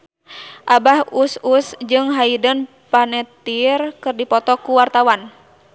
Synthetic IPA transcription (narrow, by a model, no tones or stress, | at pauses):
ʔabahususd͡ʒɨŋɦaidən | panɛt̪irkɨrdipɔt̪ɔkuwart̪awan